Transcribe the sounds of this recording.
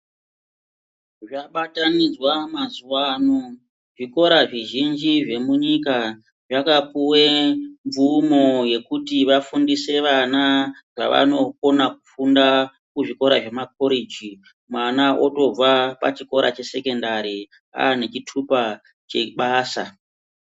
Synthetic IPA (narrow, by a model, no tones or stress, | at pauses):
ʐaɓatanid͡zwamazuwano | ʐiko̞ɾaʐiʒind͡ʒiʐe̞muɲika | ʐakapuweɱvumo̞je̞kutiʋafundise̞ʋanaʐa̰ʋa̰no̞ko̞nak̚ufunda | kuʐiko̞ɾaʐe̞mako̞ɾid͡ʒi | mwanaʔo̞̰to̞b͡vapa̰t͡ʃiko̞ɾa̰t͡ʃe̞se̞ke̞ndaɾi | a̰ːne̞t͡ʃitʰupa | t͡ʃe̞ɓaːsa̰